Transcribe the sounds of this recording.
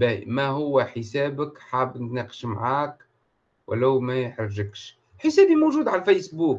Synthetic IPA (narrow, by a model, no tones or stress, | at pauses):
bæmæhʊwːæħəsæːbəkħaːbnt̪næːqə̥ʃmʕaːk | wʔlæwmæjħɾʒəkʃ | ħəsæːbimowʒuːd̪ʕalfesbuːk